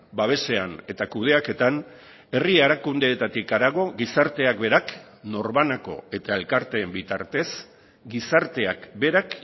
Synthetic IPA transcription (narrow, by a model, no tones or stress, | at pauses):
baβ̞e̞se̞ane̞t̪akuð̞e̞ake̞t̪an | e̞rieɾakund̪e̞ːt̪at̪ikaɾaɣ̞o̞ɣisaɾt̪e̞akbe̞ɾak | no̞ɾβanako̞̰e̞t̪ae̞lkaɾt̪e̞ːmbit̪a̰ɾt̪e̞s | ɡisaɾt̪e̞akbe̞ɾak